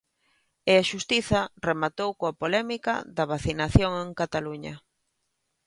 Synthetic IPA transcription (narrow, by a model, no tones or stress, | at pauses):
ɪaʃust̪iθɐremat̪owkoapolɛmikɐ̰ðɐβ̞aθinaθjoŋeŋkat̪aluɲɐ̰